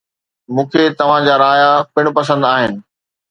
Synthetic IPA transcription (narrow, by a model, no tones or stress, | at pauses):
mũːkʰet̪ɐʋ̤ãd͡ʑaːɾaːjapɪɽ̃ʊ̆pɐs̬ə̃nd̪aːɦɪnɪ̆